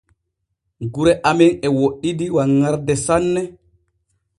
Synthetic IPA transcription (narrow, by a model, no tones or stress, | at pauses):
ɡuɾɛʔamɛnɛwoɗːidiwaŋːaɾdɛsanːɛ